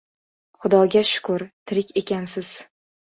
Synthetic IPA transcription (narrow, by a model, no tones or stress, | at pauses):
χʊd̪ɒɡʲaʃʊ̥kʊɾt̪ʰɪɾɪkʲe̞kʲansɪz̥